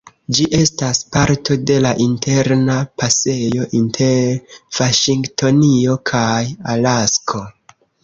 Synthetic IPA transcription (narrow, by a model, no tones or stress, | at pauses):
d͡ʒiʔe̞staspaɾtʰo̞de̞laʔintʰe̞ɾnapase̞jo̞ʔintʰe̞ɾv̥aʃiŋɡtʰo̞nio̞kʰajalaskʰo̞